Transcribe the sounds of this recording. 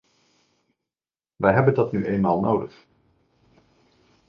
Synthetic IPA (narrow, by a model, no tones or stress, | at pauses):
ʋɛjɦɛbəndɑtnyʔejnmaːlˠnowdəχ